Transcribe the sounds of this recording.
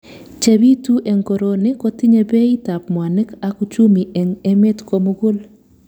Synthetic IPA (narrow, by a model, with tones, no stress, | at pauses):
t͡ʃe˨bi˦tu˦ʔe˨ŋko˨ɾo˨nɪ˦kɔ˦tɪ˦ɲe˦be˦i˦ta˨pmwa˨nɪ˦ka˨ku˦t͡ʃu˦mi˨ʔɛ˨ŋe˦me˦tko˨mʊ˦ɡʊ˦l